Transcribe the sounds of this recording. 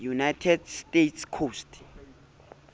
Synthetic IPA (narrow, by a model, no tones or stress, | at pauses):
junajtʰɛdstetʰskʰostʼ